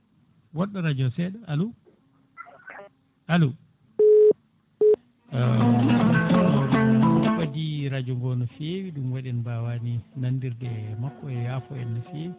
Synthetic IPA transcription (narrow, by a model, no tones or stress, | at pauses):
wɔɗːaɾad͡ʒɔsɛɗɔalu | alu | utːinawdɛumɓadiɾad͡ʒɔŋɡɔnɔfewiɗumwaɗɛnbawaninanːdiɾdɛmakːɔɛjafɔɛnːafewi